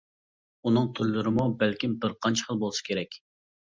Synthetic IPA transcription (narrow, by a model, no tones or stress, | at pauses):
unɨŋt̪ʰyɾlɨɾɪmubælkʲimbɨɾqʰɑnt͡ʃʰə̥χəlˠbolˠɨsɨ̥kʲʰeɾɛkʲ